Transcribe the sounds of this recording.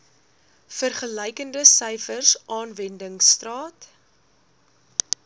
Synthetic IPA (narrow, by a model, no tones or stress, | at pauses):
fərχəlɛjkəndəsəjfərsʔɑːnvɛndəŋstrɑːt